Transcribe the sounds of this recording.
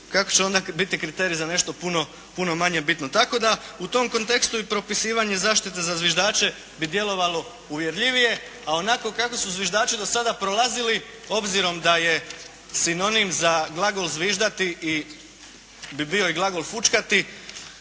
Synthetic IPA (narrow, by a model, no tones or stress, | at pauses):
kako̞t͡ɕeo̞nd̪abit̪ikɾit̪eɾijizane̞ʃt̪o̞puno̞ | puno̞maɲe̞bit̪not̪ako̞d̪aut̪o̞mko̞nt̪e̞kst̪uipɾo̞pisiːʋaɲe̞zaːʃt̪it̪e̞zazʋjeʒd̪aːt͡ʃe̞ | bid̪je̞lo̞ʋalo̞ | uʋje̞ɾʎiʋije̞ | ao̞nako̞kako̞suzʋʲjeʒd̪aːt͡ʃid̪o̞sad̪apɾo̞lˠazili | o̞bziɾo̞md̪aje̞ | sino̞nimzaɡlˠaɡolˠzʋiːʒd̪at̪iʔi | bibio̞iɡlˠaɡo̞lˠfut͡ʃkat̪i